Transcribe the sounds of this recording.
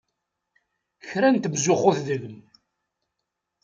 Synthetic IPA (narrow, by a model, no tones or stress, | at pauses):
çɾænt̪mzʊχoθðələm